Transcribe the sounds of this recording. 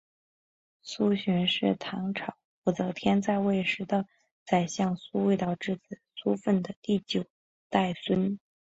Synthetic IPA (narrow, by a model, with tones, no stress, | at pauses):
su˥ɕy˧˥nʂɻ̩˥˩t̪ʰɑ˧˥ŋʈ͡ʂʰɑ˨˩˦ʊpu˧˩t͡sɤ˧˥˩t̪ʰjɛ˥nt͡sa˥˧ɪwe˥˩ɪʂɻ̩˧˥d̪ə˧ | t͡sa˨˩ɪɕjɑ˥˩ŋsu˥we˥˧ɪt̪ɑ˥˧ʊʈ͡ʂɻ̩˥˩t͡sɹ̩˨˩su˥fə˥˩nd̪ə˩t̪i˥˩t͡ɕjo˨˩ʊ | t̪a˥˩ɪswə˥n